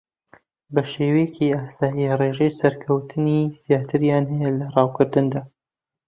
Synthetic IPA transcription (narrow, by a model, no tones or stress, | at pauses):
bɐʃeːwejɛcʰiaːsaːjireʒejsɐɾkʰɐwt̪ʰɨniz̥ijaːt̪ʰɨɾjaːnɦɐjɛlɐrˤɑːwkʰɨɾd̪ɨnd̪aː